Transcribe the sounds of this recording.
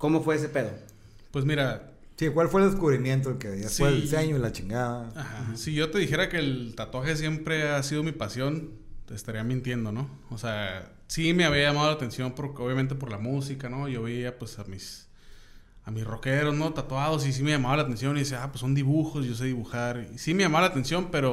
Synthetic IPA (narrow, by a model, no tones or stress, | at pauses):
komo̞fwe̞es̬epe̞ð̞o | pwe̞smiɾa | sikwalfweld̪eskuβɾimjẽnt̪̬oelkeaseseɲoilat͡ʃiŋɡaðaaxasiʝot̪e̞ðixe̞ɾakeːlt̪at̪waxe̞s̬je̞mpɾe̞asið̞o̞mipasjo̞n | t̪est̪aɾiamĩnt̪je̞nd̪o̞no̞ | osea | sime̞aβiaʝamað̞olat̪e̞nsjo̞mpoɾkoβjament̪e̞p̬o̞ɾlamusikano̞ʝoβiapwe̞samis | amisro̞ke̞ɾo̞zno̞t̪at̪wað̞o̞s̬is̬ime̞jʝamaβalat̪e̞nsjo̞niðiseapwesːo̞nd̪iβuxo̞sʝo̞s̬eðiβuxaɾisime̞jamaβalat̪e̞nsjo̞mpe̞ɾo̞